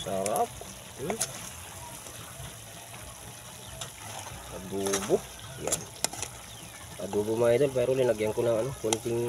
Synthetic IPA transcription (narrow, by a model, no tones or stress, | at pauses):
saɾap̩̚ | adubuh | ja̰ | a̰dubumait̪unpaiɾulinaɡiaŋkunaŋanakɔnt̪iŋ